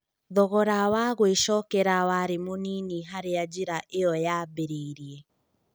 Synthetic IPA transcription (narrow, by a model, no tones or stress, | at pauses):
ðɔɣɔɾawaɣweʃɔkɛɾawaɾemoniniɦaɾead͡ʒiɾaʔeɔjaːbeɾeɾiɛ